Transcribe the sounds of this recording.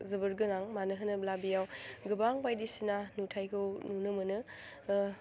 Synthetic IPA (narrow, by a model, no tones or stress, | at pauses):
zɯbɯɾɡɯnaŋmanɯɦɯnɯblabijawɡɯbaŋbajdisinanutʰajkʰɯwnunɯmɯnɯ